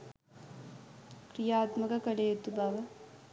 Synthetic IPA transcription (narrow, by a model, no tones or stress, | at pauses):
kɾijaːt̪mɐkɐkɐɭejut̪ːubaːʋɐ